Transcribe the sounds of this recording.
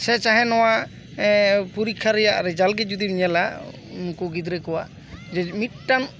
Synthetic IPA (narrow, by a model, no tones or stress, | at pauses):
sɛt͡ʃaɦɛnɔwa | puɾikʰːaɾɛjaʔɾɛd͡ʒalɡɛd͡ʒud̪imɲɛla | nkuɡid̪ɾɛkɔwaʔ | d͡ʒɛmit̪̚ʈan